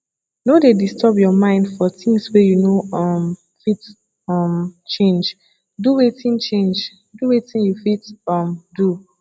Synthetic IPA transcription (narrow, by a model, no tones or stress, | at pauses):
nodedistɔbjɔmãɪ̃ndfɔtĩŋswɛjunoɔm | fit | ʌmt͡ʃẽnd͡ʒ | duwetĩnt͡ʃẽnd͡ʒ | duwetĩnjufitʌmdu